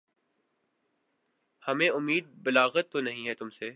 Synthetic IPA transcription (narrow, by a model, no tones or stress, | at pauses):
hɐmẽʊmːiːd̪̚bɪlaːɣət̪ːonɐɦĩɦɛt̪ʊmseː